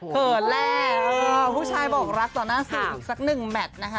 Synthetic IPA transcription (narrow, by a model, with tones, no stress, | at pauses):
kɤː˨˩t̪̚lɛː˧˥˧ʔɤː˧pʰuː˥˩t͡ɕʰaː˧jbɔː˨˩k̚ɾa˦˥k̚t̪ɔː˨˩naː˥˩sɯ˨˧˩ʔiː˨˩k̚sa˨˩k̚nɯ˨˩ŋmɛ˨˩t̪̚na˦˥kʰa˦˥